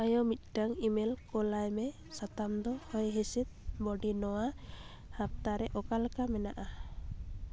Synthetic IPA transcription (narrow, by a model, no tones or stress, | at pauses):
ajɔmit̪̚ˀʈaŋimɛlkɔlajmɛ | sat̪amd̪ɔhɔjɦisit̪̚bɔɖinɔwa | hap̚t̪aɾɛʔɔkalkamɛnaʔa